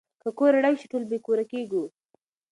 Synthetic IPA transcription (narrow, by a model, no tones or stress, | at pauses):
kəkoɾaɽajʃɪʈulbekuɾakeɡu